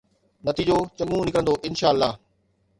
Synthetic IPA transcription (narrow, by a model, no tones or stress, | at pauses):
nɐt̪iːd͡ʑoːt͡ɕɐ̃ŋɡũnɪkəɾə̃nd̪oʔɪnʃaːəlːaːɦ